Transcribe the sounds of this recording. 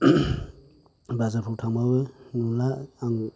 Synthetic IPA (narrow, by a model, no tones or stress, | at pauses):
bazapʰutʰaŋbabɯnulaːŋ